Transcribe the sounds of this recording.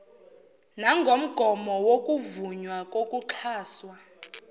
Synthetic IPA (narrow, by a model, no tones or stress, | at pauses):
naŋɡʱom̩ɡ̥ʱɔmɔwokʼuvuɲwakʼokʼuǁʰaːswa